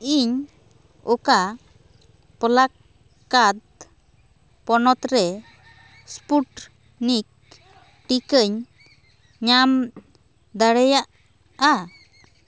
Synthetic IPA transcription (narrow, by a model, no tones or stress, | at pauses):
iɲ | ɔka | pɔlakː | ad̪̚ | pɔnɔt̪ɾɛ | spuʈ | nik̚ | ʈikəɲ | ɲam | d̪aɽɛjaʔ | a